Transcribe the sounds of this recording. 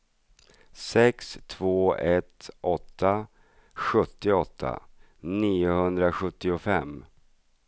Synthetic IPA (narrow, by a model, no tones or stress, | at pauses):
sɛkst̪ʰvoːɛt̪ʔɔt̪ʰːa | ɧɵt̪ːɪɔt̪ʰːa̰ | niːʊhɵnd̪ɾaɧɵt̪ːɪʊfɛmː